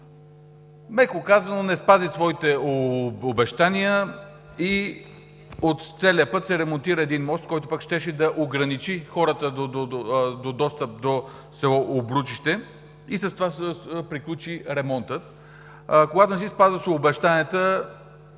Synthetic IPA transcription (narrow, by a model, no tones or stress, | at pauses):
mɛkokazɐnonɛspazisvɔit̪ɛoobɛʃt̪aniə | i | ot̪t̪sɛlʲiəpɤt̪sɛɾɛmont̪iɾəɛd̪inmɔst̪̚kɔjt̪o̥pakʃt̪ɛʃɛd̪ɐʔoɡɾɐnit͡ʃixɔɾət̪əd̪od̪od̪od̪ɔst̪əp̚d̪o | sɛɔobɾut͡ʃiʃt̪ɛ | isɐst̪ovaspɾiklʲut͡ʃiɾɛmɔnt̪ət̪ | koɡat̪onɛsispazvəsobɛʃt̪aniət̪ə